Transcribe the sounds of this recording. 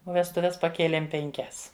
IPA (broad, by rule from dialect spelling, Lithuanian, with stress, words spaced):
oː ʋʲɛstʊˈʋʲɛs pɐˈkʲeːlʲeːm pʲɛŋʲˈkʲɛs